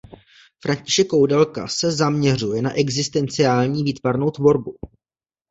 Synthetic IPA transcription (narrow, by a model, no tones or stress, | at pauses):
fɾʔaɲcɪʃɛkːowdɛlka̰sɛzamɲɛr̝ujɛnaʔɛɡzɪst̪ɛnt͡sɪaːlɲiːviːt̪vaɾno̞wt̪vo̞ɾbu